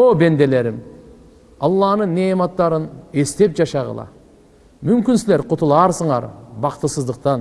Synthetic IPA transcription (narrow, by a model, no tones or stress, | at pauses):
obe̞nd̪e̞le̞ɾɪm | ɑlˠːɑnəɴnemɑt̪ːɑɾəne̞st̪e̞p̚ʒɑʃɑʁə̰lˠɑ̰ | mʏmkʲɪnsɪle̞ɾqʰʊt̪əlˠɑɾsəɴɑ̰ɾbɑqt̪əsəzd̪əq̚t̪ɑn